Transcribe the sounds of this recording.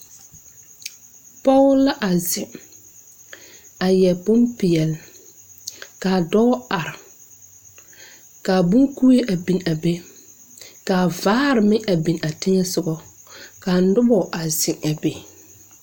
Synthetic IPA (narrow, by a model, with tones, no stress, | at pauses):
pɔ˦la˦ʔa˨zɪ˨ | a˨jɛ˨pʊ˦mpɪ˨ɛ˨l | kaː˨dɔː˦a˨ɾɪ˨ | ka˨bʊ˦ŋku˦e˦ʔa˨bi˨na˨be˦ | kaː˨vaː˦ɾɪ˨mɪ˦ʔa˨bi˨na˨tɪ˦ɲɛ˦sʊ˨ɡɔ˦ka˨n˦dʊ˦bɔ˨ʔa˨zɪ˨ŋa˨be˨